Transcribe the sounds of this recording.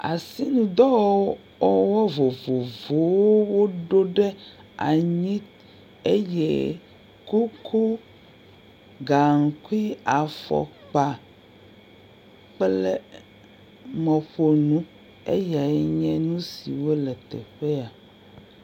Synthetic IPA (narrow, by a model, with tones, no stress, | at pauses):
a̰˨si˦nũ˨d̪ɔ˦ | ɔ˨wɔ˦vo˨vo˨vo˨wo˦wo˦ɖo˦ɖɛ˦ | a̰˨ɲĩ˦t̪ | e˦jḛ˦ | ku˦kʰu˦ | ɡa˨ŋ̩˨ku˦i˦a˨fɔ̰˨ | k͡pa˨ | k͡plɛ̰˦ | mɔ̃˨ɸo˨nũ˦ | ḛ˦ja˨jɛ˦ɲɛ̃˦nũ˦si˨wo˦lɛ˨t̪ɛ̰˨ɸe˦a˨